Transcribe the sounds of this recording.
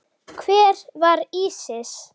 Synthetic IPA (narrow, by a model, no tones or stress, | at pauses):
kʰvɛːɾvaɾiːsɪs